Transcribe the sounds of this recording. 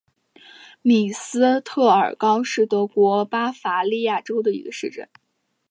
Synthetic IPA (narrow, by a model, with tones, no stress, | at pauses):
mi˨˩sɹ̩˥t̪ʰɤ˥˩ə̰˞˨˩kɑ˥ʊʂɻ̩˥˩t̪ɤ˧˥kwɔ˧˥pa˥fa˧˥li˥˧ja˥˩ʈ͡ʂo˥ʊd̪ə˨ḭ˧˥ɡə˧ʂɻ̩˥˧ʈ͡ʂə̰˥˩n